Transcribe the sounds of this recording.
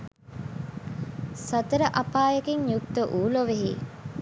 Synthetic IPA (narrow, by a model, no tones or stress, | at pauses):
sɐt̪əɾəʔapaːjəkiŋjuk̚t̪əʔuːloʋeɦḭ